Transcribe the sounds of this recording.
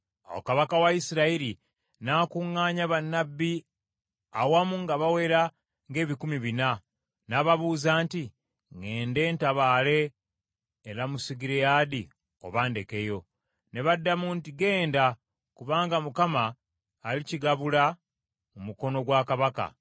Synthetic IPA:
a̰wo̰kaβakawaisiɾaiɾi | naːkuŋːaːɲaβanːabːi | a̰wamuŋɡaβawe̞ɾa | ŋɡe̞ːβikumiβina | naβaβuːzaːnti | ŋe̞ːnde̞ːntaβaːle̞ː | ɾamusiɡiɾejadi | o̞̰βaːnde̞ke̞jo̞ | ne̞βadːamuntiɡe̞ːnda | kuβaːŋɡamukamaː | liciɡaβula | mumuko̞no̞ɡwakaβaka̰

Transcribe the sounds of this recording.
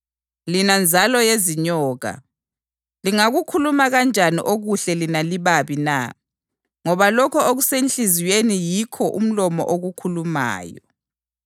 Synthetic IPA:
linand͡zʱalɔjeziɲɔːɣa̰ | liŋaɣukʰulumaɣand͡ʒʱanḭʔoɣuɬɛlinaliβaβina̰ | ŋɔβalɔkʰɔoɣusent͡ɬʼiziwenijikʰɔʔum̩lɔmɔ̰ʔoɣukʰuluma̰ːjɔ

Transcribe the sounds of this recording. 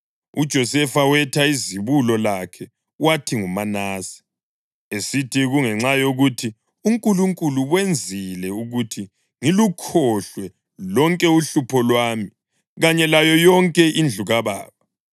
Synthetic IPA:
ud̥ʒ̥ʱɔsɛfawɛtʰaiziβulɔlakʰɛ | watʰiŋumanaːsi̥ | esitʰiɣuŋɛŋ͡ǁajoɣutʰi | uŋkʼuluŋkʼuluwend͡zʱilɛuɣutʰi | ŋilukʰɔɬwɛ | lɔŋkʼɛuɬupʰɔlwaːmi | ɣaɲɛlajɔjɔŋkʼɛʔind͡ɮʱuɣaβa̰ːβa

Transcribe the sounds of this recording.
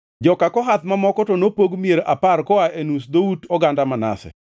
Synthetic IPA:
d͡ʒɔkakɔɦat̪mamɔkɔtonopoɡmieɾaparkɔaʔenusd̪outɔɡandamana̰sɛ̰

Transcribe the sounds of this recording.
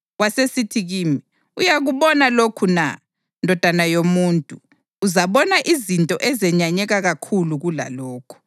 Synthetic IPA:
wasesitʰiɣiːmi | ujaɣuβɔnalokʰuna̰ | ndʱɔd̥ʱanajomuntʼuː | zaβɔnaʔizintʼɔʔɛzɛɲaɲɛɣaɣakʰuluɣula̰lɔːkʰu̥

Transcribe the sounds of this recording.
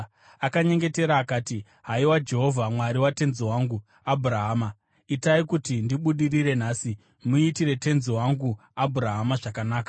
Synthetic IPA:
akaɲe̞ŋɡe̞te̞ɾaːkaːti | ɦaiwad͡ʒe̞ɦo̞vʱamwaɾiwate̞nzowaːŋɡu | abʱuɾaɦaːma | itaikutindiɓuɗiriɾe̞n̤aːsi | muitiɾe̞te̞nzowaŋɡu | abʱuɾaɦamaʐakanaːka

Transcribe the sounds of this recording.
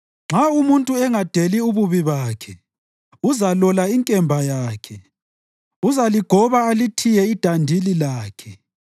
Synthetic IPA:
ŋ͡ǁʱaumuntʼuɛŋad̥ʱeliuβuβiβaːkʰɛ | uzalɔlaiŋkʼɛmbʱajaːkʰɛ | uzaliɡ̥ʱɔβaːlitʰijɛid̥ʱandʱililaːkʰɛ

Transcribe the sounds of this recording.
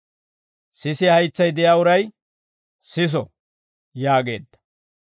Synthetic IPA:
sɪsɪhɐjt͡sːɐjd̪ɛjaːʊɾɐj | sɪs̬ɔ | jaːɡe̞̰ːd̪ːɐ̥

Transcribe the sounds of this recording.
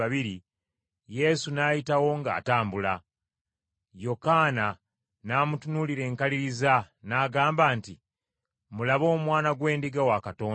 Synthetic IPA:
aβiɾi | je̞sunajitawo̞ŋɡa̰ːtaːmbula | jo̞kaːna | naːmutunuliɾe̞ːŋkaliɾiza | naːɡaːmbaːnti | mulaβo̞ːmwaːnaɡwe̞ːndiɡawakato̞ː

